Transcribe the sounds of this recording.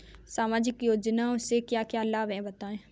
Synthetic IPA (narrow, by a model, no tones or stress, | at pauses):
saːmaːd͡ʒɪkjoːd͡ʒnaʊsːekjaːkjaːəlːaːbɛ̃bɐt̪aːẽː